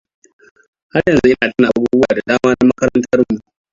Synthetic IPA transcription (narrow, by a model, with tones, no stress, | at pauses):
ha˦rjɐ˨nzu˦ʔɪ˦naː˨ta˦na˨aa˦buː˦bʊ˦aː˨da˨daː˦maː˦na˦mɐ˦kɐ˦ɾɐ˦ntʰɐ˦rmu˨